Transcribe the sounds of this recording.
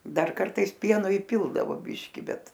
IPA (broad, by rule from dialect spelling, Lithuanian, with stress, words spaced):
ˈdɐr ˈkɐrtɐɪs ˈpʲiɛnoː ɪˈpʲɪlˠdɐʋoː ˈbʲɪʃʲkʲɪ ˈbʲɛt